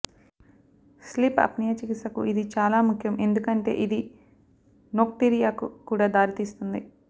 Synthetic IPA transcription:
slipɐ̰pnijɐt͡ʃikisɐkuʔid̪it͡ʃaːlaːmukʰːjɐme̞nd̪ukɐɳʈe̞̰ːʔid̪i | nok̚ʈiɾijaːkukuːɽaːd̪aːɾit̪iːst̪und̪i

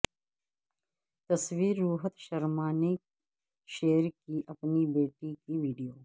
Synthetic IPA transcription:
t̪ɐswiːɾːuːɦət̪ʃɐɾmaːnik | ʃeːəɾkiʔɐpnibeːʈikiʋiːɖijoː

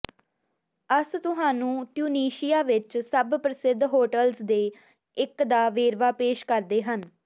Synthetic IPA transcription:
əst̪ʊɦaːnũːʈjuːniːʃɪjaːʋɪt͡ʃsəbpɾəsɪd̪ːɦoːʈəlzd̪eː | ɪkd̪aːʋeːɾʋaːpeːʃkəɾd̪eːɦən

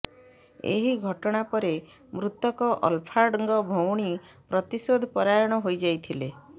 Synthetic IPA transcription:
ḛɦiɡʱɔʈɔɽ̃apɔɾe | mɾut̪ɔkɔʔɔ̰lpʰaɾɖŋɡɔbʱowɽ̃i | pɾɔt̪isod̪ʱɔpɔɾajɔɽ̃ɔɦojd͡ʒajt̪ʰile

